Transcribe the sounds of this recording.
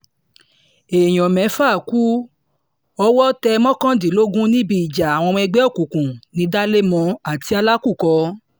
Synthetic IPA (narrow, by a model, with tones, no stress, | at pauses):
e˨j̃ɔ̃˨mɛ̃˨˦faː˦˨ku˦ | ɔ˧wɔ˦tɛ˧mɔ̃˦kã˦di˨lo˦ɡũ˦nĩ˦bi˦i˨d͡ʒa˨a˨w̃ɔ̃˧ɛ˧ɡ͡bɛ˦o˦˨kũ˨kũ˨nĩ˧˦da˦le˦mɔ̃˧a˨ti˧a˧la˦ku˦˨kɔ˧